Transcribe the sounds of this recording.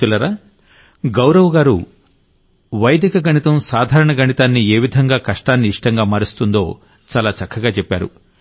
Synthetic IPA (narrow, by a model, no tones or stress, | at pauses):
ulɐɾaː | ɡɐwɾɐʋɐɡaːɾu | ʋɐjd̪ʱikɐɡɐɳit̪ɐmsaːd̪ʱaːɾɐɳɐɡɐɳit̪aːnːieːʋid̪ʱɐŋɡaːkɐʂʈaːnːiːʂʈɐŋɡaːmaːɾist̪und̪o̞ː | t͡ʃaːlaːt͡ʃɐkʰːɐɡaːt͡ʃɛpːa̰ːɾṵ